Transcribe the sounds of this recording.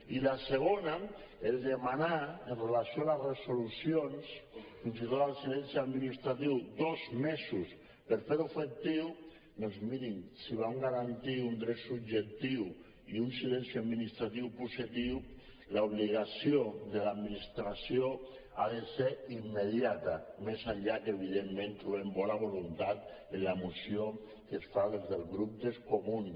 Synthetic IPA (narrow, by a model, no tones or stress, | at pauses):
ilaseɣ̞ona | eld̪emanaenrelasjoaleresolusjonsfinsit̪ot̪alsilɛnsiaðminist̪ɾat̪iwd̪ozmesus | peɾfeɾufek̚t̪iw | nonzminiŋsiβ̞aŋɡaɾant̪iund̪ɾet̪subʒek̚t̪iw | iunsilensjiad̪minist̪ɾat̪iwpusit̪iw | lauβ̞liɣasjoðelad̪minist̪ɾasjo | a̰ðeseɾimːeð̞jat̪amesaʎakeβ̞iðemːẽnt̪ɾuβembɔnaβ̞olunt̪at̪ | enlamusjo | kesfaðezðelɣɾup̚d̪eskomun